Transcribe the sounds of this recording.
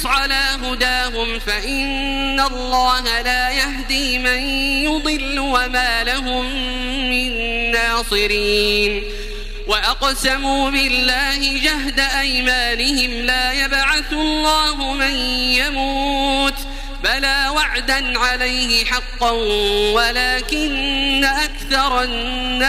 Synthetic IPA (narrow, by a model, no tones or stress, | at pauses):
ʕalaːɦʊd̪aːɦʊmfaʔɪnː | alˤːɑːɦalaːjaɦd̪iːmanjʊd̪ˤɨlːʊwamaːlaɦʊmː | ɪnːaːsˤɨɾiːn | waʔɑqsamuːbɪlːaːhɪd͡ʒaɦd̪aʔajmaːnɪhɪmlaːjabʕaθlˤːɑːɦʊmanjamuːt̪ | balaːwaʕd̪anʕalajhɪħɑqːɑnwalaːkɪnːaʔakθɑɾˤɑː | a